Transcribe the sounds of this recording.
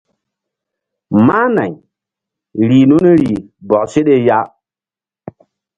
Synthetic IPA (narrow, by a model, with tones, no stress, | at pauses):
ma˦na̰˨ɲ | ɾiː˨nu˦ne˦ɾi˨ | bɔ˨se˦ɗe˦ja˦